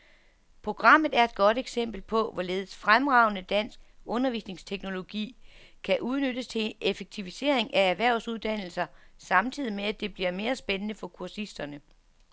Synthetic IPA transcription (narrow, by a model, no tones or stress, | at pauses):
pʰʁo̝ɡ̥ʁɑ̈m̰ð̩ˠæɐe̝d̥̚ɡ̥ɒ̽d̥eɡ̥sem̰b̥l̩pʰɒ̽ʋɒleːð̞̩ˠsfʁamʁɑ̈ʊnəd̥æn̰sɡ̥ɔ̽nɐʋiːsne̝ŋst͡sʰeɡ̥no̝lo̝ɡ̥ḭːkʰæʔuð̞ˠnød̥əst͡sʰe̝efeɡ̥̚t͡sʰiʋise̝ɐ̰e̝ŋææʋæɐ̰ʊsuð̞ˠd̥æn̰l̩sɐsɑ̈mt͡sʰið̰ˠimeæd̥e̝b̥liɐme̝ːɐsb̥enənəfɒ̽kʰuɐsisd̥ɐnə